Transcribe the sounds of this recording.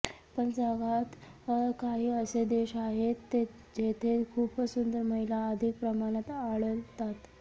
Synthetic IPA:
pəɳd͡zəɡat̪kaɦiːəsed̪eɕaɦet̪ːe | d͡ʑet̪ʰekʰuːpəsund̪əɾməɦilaəd̪ʱik̚pɾəmaɽ̃at̪aɭəlt̪at̪

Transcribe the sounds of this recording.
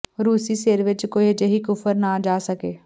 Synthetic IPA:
ɾuːsiseːɾʋɪt͡ʃkoːiəd͡ʒəɦikʊfəɾnad͡ʒaːsɐkeː

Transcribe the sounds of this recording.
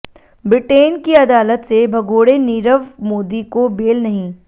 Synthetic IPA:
bɾɪʈeːnkiɐd̪aːlət̪sebʱɐɡoːɽeniːɾəʋmoːd̪ikobeːlnɐɦĩː

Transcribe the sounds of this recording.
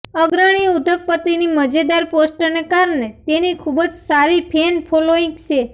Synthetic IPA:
əɡɾaɽ̃iud̪ʱək̚pət̪iniməd͡ʒed̪aɾposʈənekaɾɳet̪enikʰubəd͡ʒsaɾipʰenpʰoloĩŋɡt͡ʃʰe

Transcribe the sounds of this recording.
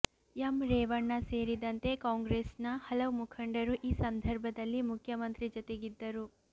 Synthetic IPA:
jɐmɾeːʋɐɳːɐseːɾid̪ɐnt̪e̞kaːŋɡɾeːsnɐhɐlɐʋumukʰɐɳɖɐɾuʔiːsɐnd̪ʱɐɾbʱɐd̪ɐlːimukʰjɐmɐnt̪ɾid͡ʒɔt̪eɡid̪ːɐɾu

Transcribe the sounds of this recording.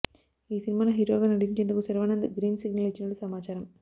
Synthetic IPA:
iːsinɪmaːnɐɦiɾa̰ːɣɐnɐɽiɲt͡ʃend̪ɐkːɯsɐɾɐʋaːnɐɐnd̪ɐɡɾiːnsiɡnɐlɐt͡ʃːinoɽɯsɐmaːt͡ʃaːɾɐm

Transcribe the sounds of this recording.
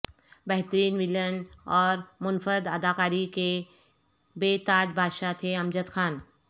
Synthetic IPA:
bɛɦt̪əɾiːnʋɪlənɔːɾmʊnfəɾd̪ɐd̪aːkaːɾike | beːt̪aːd͡ʒbʱaːd̪ʃat̪ʰeɐ̃md͡ʒət̪xaːn

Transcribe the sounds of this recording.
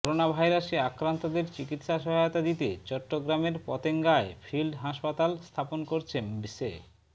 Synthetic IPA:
kɔɾonabʱajɾaʃeakɾant̪od̪eɾt͡ɕikit̪ʃaʃɔɦajot̪ad̪it̪ḛt͡ɕɔʈːoɡɾameɾpɔt̪eŋɡaefʰilɖɦaʃpat̪alst̪ʰaponkoɾt͡ɕʰenbise

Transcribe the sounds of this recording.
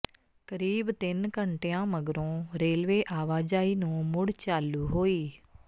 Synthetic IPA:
kəɾiːbt̪ɪnkəɳʈeãːməɡɾõːɾeːlʋeːʔaːʋaːd͡ʒaːiːnũːmʊɽt͡ʃaːluːɦoːiː

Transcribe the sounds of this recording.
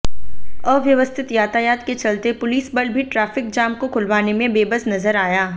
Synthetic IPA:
ɔːʋjɐʋəst̪ʰɪt̪jaːt̪ajaːt̪ket͡ʃɐlt̪epʊliːsbɐɽbʱiʈɾaːfɪk̚d͡ʒaːmkokʰʊlʋaːnemẽbeːbəsnɐzəɾaːjaː

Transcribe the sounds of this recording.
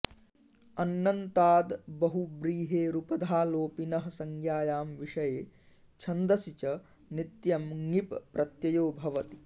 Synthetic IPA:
ɐnːɐnt̪aːd̪bɐɦubɾiːɦeːɾupɐd̪ʱaːloːpinɐɦɐ̆sɐŋjaːjaːmʋiʂɐjeː | t͡ʃʰɐnd̪ɐsit͡ʃɐ | nit̪jɐmŋippɾʔɐt̪jɐjoːbʱɐʋɐt̪i̥

